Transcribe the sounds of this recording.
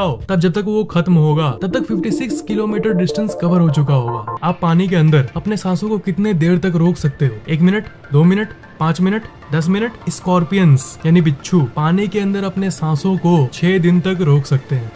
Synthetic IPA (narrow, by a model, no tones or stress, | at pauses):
aːot̪ɐb̚d͡ʒɐb̚t̪ɐkʋoxɐt̪mɦoːɡaːt̪ɐb̚t̪ɐkfɪfʈisɪkskɪloːmiːʈəɾɖɪsʈə̃nskɐʋəɾɦot͡ʃʊk̬aɦoːɡa̰ːaːpːaːnik̬eɐ̃nd̪əɾɐpnesãːsõkokɪt̪ned̪eːɾt̪ɐkɾoːksɐk̚t̪eeeːkmɪnəʈ | d̪oːmɪnəʈ | pãːt͡ʃmɪnəʈ | d̪ɐs̬mɪnəʈɪskɔːɾpijənsjaːnibɪtːʃʰupaːnikeɐ̃nd̪əɾɐpnesãːsõkot͡ʃʰɛːd̪ɪnt̪ɐkɾoːksɐkt̪eɦɛ̃ː